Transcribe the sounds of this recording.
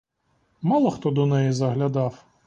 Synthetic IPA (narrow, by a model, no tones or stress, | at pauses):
mɑlˠɔxt̪ɔd̪ɔnɛjizɐɦlʲɐd̪ɑw